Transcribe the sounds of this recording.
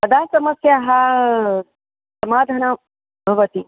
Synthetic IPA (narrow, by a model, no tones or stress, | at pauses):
pɐd̪ʱaːsɐmɐsjaːɦa | sɐmaːd̪ʱɐna | bʱɐʋɐt̪i